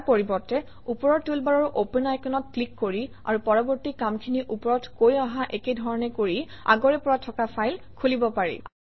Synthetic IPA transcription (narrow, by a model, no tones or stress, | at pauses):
poɹibɔɹtɛ | upɔɹɔɹtulbaɹɔɹʔopɛnajkʰɔnɔt̚klikːoɹi | a̰ɹupɔɹɔbɔɹtikamkʰiniʔupɔɹɔtkojaɦaʔekejdʱɔɹɔnɛkoɹia̰ɡɔɹɛpɔɹatʰɔkapʰajlkʰulibɔpaɹḭ